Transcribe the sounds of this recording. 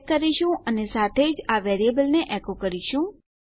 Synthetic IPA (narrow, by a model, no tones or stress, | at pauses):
kːəɾiʃũʔənesat̪ʰed͡ʒaʋɛɾiebəlneʔɛkokəɾiʃũ